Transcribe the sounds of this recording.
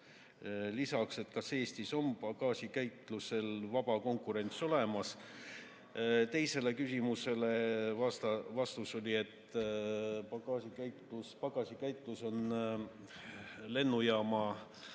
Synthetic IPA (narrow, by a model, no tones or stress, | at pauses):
lisɑkse̞t̪kɑse̞ːst̪iso̞mpɑɡ̥ɑːsʲikæjt̪ˑluse̞lvɑb̥ɑko̞ŋkˑuɾe̞nʲt̪so̞le̞mɑs | t̪e̞jse̞le̞kysʲimuse̞le̞ɑst̪ɑvɑst̪uso̞lʲie̞t̪ː | pɑɡɑːsikæjt̪luspɑɡɑsʲikæjt̪ˑluso̞n | le̞nːujɑːmɑ